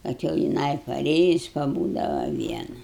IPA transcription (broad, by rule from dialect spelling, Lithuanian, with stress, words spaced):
ˈkɐt jɛʊ jɪˈnɐɪ pɐˈrʲeːjʊs pɐˈbuːdɐʋɐ ˈʋʲiɛnɐ